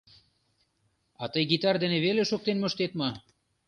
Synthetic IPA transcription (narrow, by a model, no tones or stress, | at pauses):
ɑt̪əjɡit̪ɑrd̪eneβeleʃok̚t̪enmŏʃt̪et̪mɤ